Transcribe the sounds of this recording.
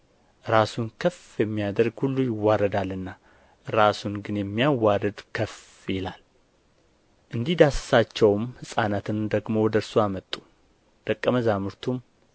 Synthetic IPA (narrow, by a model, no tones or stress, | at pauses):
ɾasunkʰəf | jɛmːijad̪əɾɡhulːujɪwːaɾəd̪alːɨnːa | ɾasunɡɨnjɛmːijawaɾəd̪kʰəf | jɛlal | ʔɨnd̪ihd̪assat͡ʃːɛwmhɨsʼanat̪ʰɨnd̪əɡmo̞wɔd̪əɾsoamət̪ʼːu̥ | d̪̥əkʼːəməzamɨɾt̪ʰum